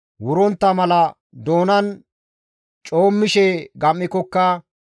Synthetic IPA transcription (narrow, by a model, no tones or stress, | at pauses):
wʊɾɔnt̪ːɐmɐlɐ | d̪o̞ːnɐn | t͡ʃʼo̞ːmːɪʃɛɡɐmːɪkːɔkːɐ